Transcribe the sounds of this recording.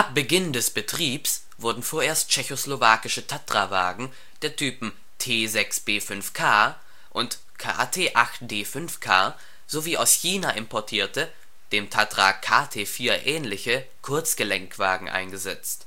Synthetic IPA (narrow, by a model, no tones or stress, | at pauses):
ʔap̚b̥əɡɪndɛsb̥ətʁ̥iːps | v̥ʊɐdn̩foːɐeːɐst̚t͡ʃɛçoslovaːkɪʃətʰatʁ̥ava̰ːɡŋ̩ | d̥eːɐtʰyːpm̩ | tʰeːzɛksb̥eːfʏnfkʰaː | ʔʊnt | kʰa̰ːtʰeːʔaxt̚d̥eːfʏnfkʰaː | z̥oviːaʊsçiːnaʔɪmpʰɔɐtʰiːɐtə | d̥eːmtʰatʁ̥a̰kʰaːtʰeːfiːɐʔɛːnlɪçə | kʰʊɐt͡sɡ̥əlɛŋkv̥a̰ːɡŋ̩ʔa̰ɪnɡəzɛt͡st